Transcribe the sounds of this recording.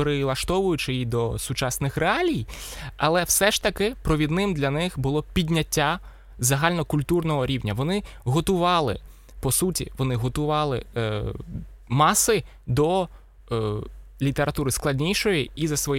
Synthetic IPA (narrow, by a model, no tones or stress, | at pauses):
ɾɪlˠɐʃt̪ɔʋʊjʊt͡ʃɪid̪ɔsʊt͡ʃɑsnɪxɾeɑlʲijɐlˠɛwsɛʃt̪ɐkɪpɾɔʋʲid̪nɪmd̪lʲɐnɪxbʊlˠɔpʲidʲnʲɐtʲːa | zɐɦɑlʲnɔkʊlʲt̪urnɔɦɔɾʲiwnʲɐʋɔnɪɦɔt̪ʊʋɑlˠɪ̰ | pɔsutʲḭʋɔnɪɦɔt̪ʊʋɑlˠɪ̰ | mɑsɪ | d̪ɔ | lʲit̪eɾʔɐt̪uɾɪsklˠɐdʲnʲijʃɔjiizɐsʋɔj